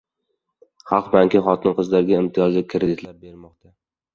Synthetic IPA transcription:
χɑlˠqbaŋkʲʰɪχɒt̪ʰɪnqʰɨzlaɾɡʲaɪmt̪ʰɪjɒzakʲʰɪɾed̪ɪt̪ʰlaɾ̚beɾmɒqt̪ʰa

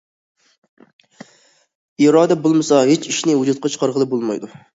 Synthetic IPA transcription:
iɾɑːd̪ɛbolˠmɨsɑɦet͡ʃiʃnɪwud͡ʒut̪̚qʰɑt͡ʃʰə̥qʰɑɾʁəlˠɨp̚bolˠmɑ̰jd̪u

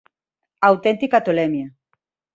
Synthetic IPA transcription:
awt̪ent̪ikat̪olɛmja

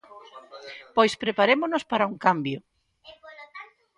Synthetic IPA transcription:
pojspɾepaɾemonospaɾauŋkambjo

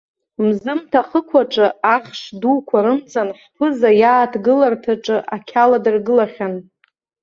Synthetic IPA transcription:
mzɨmtʰaχəkʷʰaʈ͡ʂʼɨaχʂduːkʷʰaɾɨmd͡zʼanχʲʷpʰɨzajaːtʰɡɨlartʰaʈ͡ʂʼɨʔakʲʰaladɨrɡɨlaχʲan

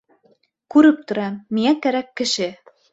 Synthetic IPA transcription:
kʉɾɘp̚t̪ŏɾɑmiŋækæɾækːɘ̆ʃɘ

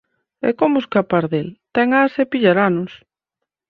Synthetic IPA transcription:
ɛ̰komʊeskapaɾðelt̪ɛŋasepiʎaɾanʊs

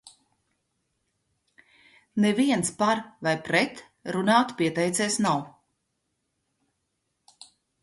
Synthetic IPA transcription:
neviɛnspaɾvajpɾɛt̪ | ɾunaːt̪piɛt̪ɛjt̪sɛːsnaw

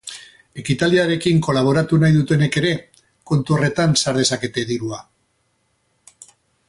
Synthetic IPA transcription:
e̞kit̪aliaɾe̞kiŋko̞laβ̞o̞ɾat̪unajðut̪e̞ne̞ke̞ɾe̞ | kont̪uo̞re̞t̪ansaɾð̞e̞sake̞t̪e̞ðiɾua

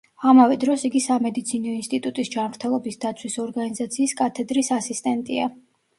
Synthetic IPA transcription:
amavɛd̪ɾɔsiɡisamɛd̪it̪sʰinɔinst̪ʼit̪ʼut̪ʼisd͡ʒanmɾt̪ʰɛlˠɔbisd̪at̪sʰwisɔɾɡanizat̪sʰiːskʼat̪ʰɛd̪ɾisasist̪ʼɛnt̪ʼia

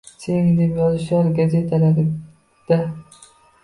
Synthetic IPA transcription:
seŋd̪epjɒzɪʃaɾɡaze̞t̪ʰalaɾɪ | d̪̥a

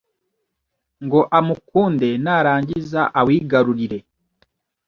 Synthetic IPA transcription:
ŋɡo̞ʔamukuːnde̞naɾaːɲɟizaʔawiːɡaɾuɾiɾe̞

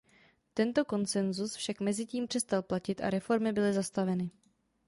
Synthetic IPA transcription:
t̪ɛnt̪o̞ko̞nt͡sɛnzusfʃakmɛzɪciːmpr̝̥ɛst̪alplacɪt̪ʔa̰ɾɛfo̞ɾmɪbɪlɪzast̪avɛnɪ

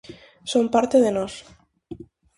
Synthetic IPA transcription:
sompaɾt̪eðenos

